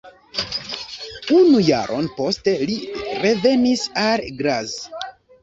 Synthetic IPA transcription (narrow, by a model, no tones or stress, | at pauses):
unuja̰ɾʔo̞̰npo̞ste̞liɾe̞ve̞nisalɡɾaz